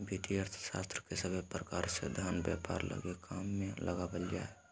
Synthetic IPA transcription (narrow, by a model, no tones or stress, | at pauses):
bit̪iəɾt̪ʰʃa̰st̪ɾəkesəbʱepɾəkaɾsḛd̪ʱanbja̰pa̰ɾlə̰ɡekʰamːelʔəɡabəld͡ʒae